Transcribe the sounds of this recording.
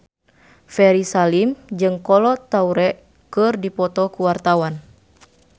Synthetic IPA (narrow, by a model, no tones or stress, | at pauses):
fɛɾisalimd͡ʒɨŋkɔlɔt̪auɾɛʔ | kɨrdipɔt̪ɔkuwart̪awan